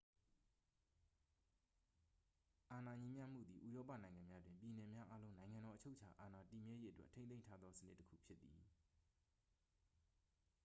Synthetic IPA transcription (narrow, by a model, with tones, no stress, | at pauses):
ʔa˨na˨ɲĩ˦mja̰˦m̥ṵ˦˨d̪ði˨ʔṵ˦˨jɔ˦pa̰˦˨nã˨ɪ̃ŋã˨mja˦dwɪ̃˨mpji˨nɛ˨mja˦ʔa˦lõ˦ʊ̃nã˨ɪ̃ŋã˨ndɔ˨ʔət͡ɕʰo˦ʊt͡ɕʰa˨ʔa˨na˨ti˨mjɛ˦je˦ʔə˦twɛ̰˦ʔtʰẽ˦ẽ˦ɪ̃ntʰa˦d̪ðɔ˦sənɪ˦tːəkʰṵ˦˨pʰjɪ˦t̪̚ːi˨